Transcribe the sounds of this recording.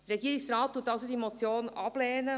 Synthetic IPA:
d̥əɾɛɡiəɾɪksɾɑːt̚tːuːtːɑlsod̪imɔt͡sjoːnɑb̥lɛːnə

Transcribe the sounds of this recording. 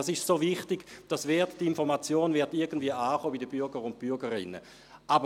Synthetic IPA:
asɪʃsoːvɪχtɪɡd̥asvɛɐtdɪnfɔʁmat͡sjoːnvɪɐtɪɐɡən̩dviəaːχoːbidəbyɐɡəʁʊnt̚b̥yɐɡəʁɪ̰nə̰ | ʔabə

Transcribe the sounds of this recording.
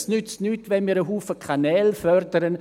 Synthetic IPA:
snʏt͡stnyːtʋɛnmiːɾəɦuːfəkʰanɛːlfœrdəɾən

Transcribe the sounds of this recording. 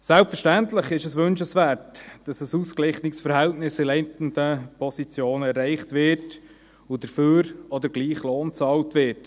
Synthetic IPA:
sɛlpfəɾʃtæntləχɪʃəsʋɵnʃəsʋæːɾtd̥ɑsəsuːsklɪχnɪksfəɾɦɛltnɪsɪlɛɪntəndəpʰɔsit͡sjoːnəɛɾːɛɪχtʋɪt | ʊdəɾføːɾɔd̪əɾɡliːχloːnt͡sɑːltʋɪɾt

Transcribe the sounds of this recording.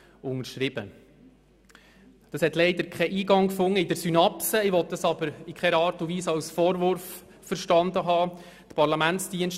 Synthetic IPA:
ʊnəɾʃɾɪb̥ə | d̥̪ɑshɛt̪lɛɪd̪əɾkχɛʔiːɡɑŋkfʊŋːəɪdəɾsynɑpsəɪʋɔt̪̚dɑsɑb̥əɾɪkχɛɾɑːɾtuʋiːsɑwsfɔːɾʋʊɾfː | əɾʃtɑnd̪əɦɑː | t̪pʰɑɾlɑmæntstiənʃ

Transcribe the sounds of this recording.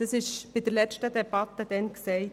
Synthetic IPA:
əsɪʃbɪd̪əɾlɛt͡ʃtəd̪ɛb̥ɑt̪ːəd̪ɛnksɛɪ

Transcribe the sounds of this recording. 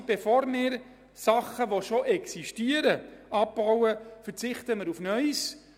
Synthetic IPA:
b̥efoːɾmɪːɾ | sɑχəʋoʃoʔɛksiʃtiːəɾəɑp̚b̥awəfəɾt͡sɪχtəmɪɾufnœʏs

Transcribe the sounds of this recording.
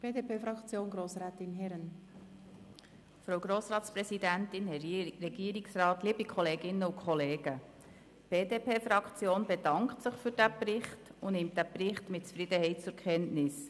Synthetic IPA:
b̥eːdepeːfɾɑkt͡sjoːnɡɾoːsɾɛːtɪnɦɛɾən | fɾowɡ̥ɾoːsrɑːtsprɛsidæntɪnɛrɛɡ̥iːɾɪksrɑːtliːbikʰχɔleːɡɪnːəʊkʰχɔleːɡ̥ə | b̥eːdeːpʰeːfɾɑkχt͡sjoːnbed̥ɑŋktsəχfyɾd̥æprɪχtʊnɪmt̚d̥æprɪχtmɪt̚t͡sfɾidəhɛɪt̚t͡sʊɾkʰχɛntnɪs

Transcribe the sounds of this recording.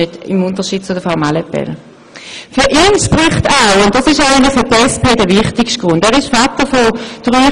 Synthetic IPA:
ødɪ̰mʊntəʃiːd̥̚t͡sʊdəfamaləpɛ̰ʁə | fyɐʔiːnʃpʁɪχtaʊʊntd̥ɑsɪʃaɪɪnəfʏtɛspʰeːdəʋɪχtɪkʃt̚ɡ̥ʁʊndɛːʁɪʃfatəfod̥ʁyː

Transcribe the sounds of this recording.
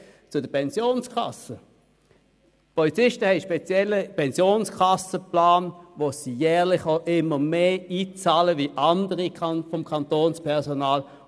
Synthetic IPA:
t͡sʊdəpʰɛnzjoːnskʰɑ̰sə | pʰɔlit͡sɪʃtəhɛɪʃpet͡sjɛlːəpʰɛnsjoːnskʰɑsəplaːnʋosijɛːʁlɪχoʊʔɪmːəmeːiːt͡saːləʋiʔɑndəʁikʰɑfɔmkʰɑntoːnspʰɛɐsonaːl

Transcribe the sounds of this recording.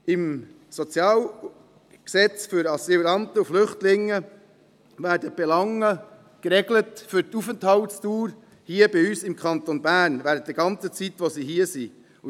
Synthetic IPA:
ʔɪm | sɔt͡sjɑːl | ksɛt͡sfʏɾɑsilɾɑnt̪əuflʏχtlɪŋːə | væːɾdəb̥ɛlɑŋːə | kɾɛɡlətfʏɾtufənthɑltstuːɾ | hiəbɪyːsɪmkʰɑnt̪onbæːnvæːɾətt̪əɡ̥ɑnt͡sət͡sit̪ʋosiɦiəsi | u

